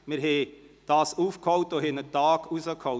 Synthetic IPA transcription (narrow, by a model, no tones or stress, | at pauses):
mɪɾɦed̥ɑːsuːfkhɔwtoɦenət̪ɑːkusəkʰhɔ